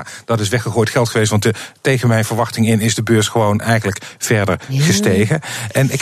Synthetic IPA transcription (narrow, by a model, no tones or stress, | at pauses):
d̥ɑtɪsʋɛχəχoːjtχɛlˠtχəʋestʋɑntətejχənmɛjnvəɹʋɑχtɪŋɪnɪzdəbøːɹsχəʋownɛjχənləkv̥ɛɹdəɹχəstejχəɛnɪk